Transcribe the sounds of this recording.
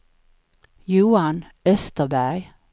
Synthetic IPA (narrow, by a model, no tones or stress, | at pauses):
juːɑn | œst̪əbæɡ